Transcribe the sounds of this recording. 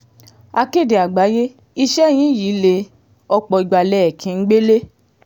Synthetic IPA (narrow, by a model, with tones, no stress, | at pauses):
a˧ke˦˨de˨a˨ɡ͡ba˨˦je˦ | i˧ʃɛ˦˨j̃ĩ˨˦ji˨˦le˧ | ɔ˧k͡pɔ˧i˧ɡ͡ba˨lɛ˦ɛ˨kʰĩ˨˧n̩˦ɡ͡be˦le˦